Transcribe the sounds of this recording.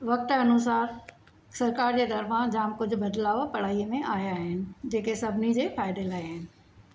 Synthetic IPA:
ʋɐk̚ʈ̪ɐnʊs̬aːɾ | sɐɾkaːɾd͡ʑeːt̪ɐɾfãd͡ʑaːmkʊd͡ʑʱʊ̆bɐd̪laːʋopɐɽ̤aːimẽʔaːjaɦɪnɪ̆d͡ʑeːkesɐbʱnid͡ʑeːfaːɪd̪eːlaːeɦɪnɪ̆

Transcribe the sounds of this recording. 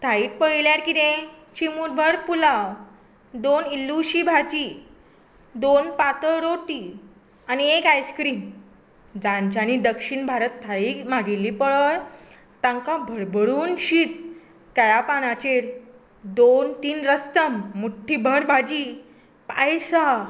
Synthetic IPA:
t̪ʰaiːʈ̚pəiljaɾkit̪ẽ | ɕimuɾbʱəɾpula | d̪onilːuɕibʱad͡ʑi | d̪onpat̪əɾoʈi | aniekajskɾiːn | d͡zãɲt͡ɕañid̪əkɕiɳbʱaɾət̪ːʰaɭiːmaɡilːiːpəɭəj | t̪ãŋkabʱəɽbʱəɽuːnɕiːt̪̚ | kajapañat͡ɕeɾ | d̪ont̪iːnɾəst̪əmːuʈʰːibʱəɾbʱad͡ʑiː | pajsa

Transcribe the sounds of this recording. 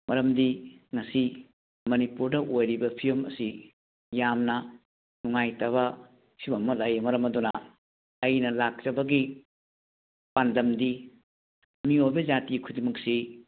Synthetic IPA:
mʔɐɾɐmdiŋɐsi | mɐnipuɾdɐʔojɾibɐpʰijɐmɐ̰si | jamnɐ | nuŋajtɐβɐ | sʰibɐmɐlɐjmɐɾɐmɐdunɐː | jnɐlak̚t͡ʃɐbɐɡi | pandɐmdi | miojbɐd͡ʒatikʰudimɐksi

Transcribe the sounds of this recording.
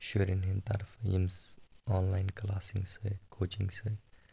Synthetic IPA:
ʃuːɾɪnɦɪnt̪ɐ̰ɾfjḭmsɔːnlaːɪnklaːsɪ̰̃ŋɡsekʰoːt͡ʃɪ̰̃ŋɡse

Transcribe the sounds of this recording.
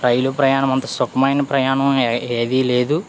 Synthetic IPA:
ɾɐjlupɾɐjaːnɐmɐnt̪ɐsokɐmajnɐpɾɐjaːɳɐmeːd̪ile̞ːd̪u

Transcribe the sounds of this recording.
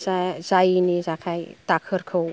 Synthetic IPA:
zazajnizakʰajt̪akʰəɾkʰəw

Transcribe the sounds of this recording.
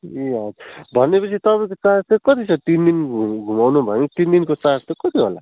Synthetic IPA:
eʌd͡zbʱʌnepʌt͡sʰit̪ʌpʌ̃kot͡sast̪ʌkʌt̪it͡sʰʌt̪ind̪inɡʱumawnubʱʌnit̪ind̪inkot͡saɾt̪ʌkʌt̪iɦola̰

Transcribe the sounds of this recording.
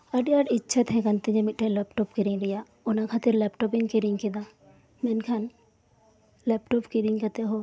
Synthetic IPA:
ɐɖijaːɖɪtːʃʰɐt̪ɦɛ̃kɐnt̪ĩd͡ʒɐmiʈeleːpʈopkiɾiŋɾija | ʊnãkʰaːt̪ɪɾleːpʈoːpiŋɡkiɾiŋkid̪a | menkʰɐn | leːpʈoːpkiɾiŋkɐt̪eɦo

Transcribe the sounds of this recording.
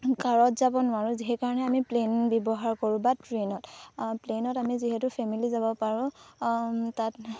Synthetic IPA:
kaɹɔtzabɔnʊwaɹʊ̃ziɦɛkaɹɔnɛamiplenbɔbɔɦaɹkɔɹʊ̃batɹenɔtplenɔtamiziɦɛtʊpʰɛmilizabɔpaɹʊ̃ | tat̚

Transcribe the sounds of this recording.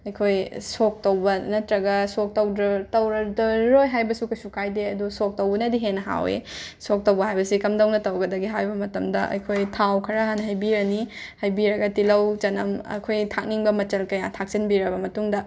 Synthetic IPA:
ɐjkʰojsok̚tɐwbɐnɐtɾɐɡɐsok̚tɐwdɾɐtɐwɾɐdɐɾojɦajbɐsukɐjsukʰajdeɐdusok̚tɐwbɐnɐdiɦenɐɦa̰wḛsok̚tɐwbɐɦajbɐsikɐmdɐwnɐtɐwɡɐdɐɡiɦajbɐmɐtɐmdɐʔɐ̰jkʰojtʰawkʰɐɾaɦanɐɦɐjbiɾɐnihɐjbiɾɐɡɐtilɐwt͡ʃɐnɐmɐ̰kʰojtʰak̚niŋbɐmɐt͡ʃɐlkɐjatʰak̚sinbiɾɐbɐmɐtuŋdɐ

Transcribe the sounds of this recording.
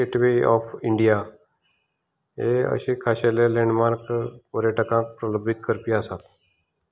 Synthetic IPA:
eʈʋeɔ̰fʰiɳɖija | ɦeə̰ɕekʰaɕeleleɳɖmaɾkpɔɾjaʈəkãk̚pɾələbʱit̪̚kəɾpiasat̪

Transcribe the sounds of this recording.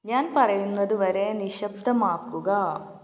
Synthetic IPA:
ɲaːnpɐɾɐjunːɐd̪uʋɐɾeːniʃɐb̚d̪ɐmaːkːuɡɐː

